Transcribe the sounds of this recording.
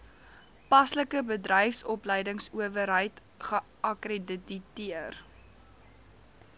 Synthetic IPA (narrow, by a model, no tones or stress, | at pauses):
pɐsləkəbədrəjfsɔpləjdəŋsuəvəɾɦəjt | χə | ʔɐkrediditiər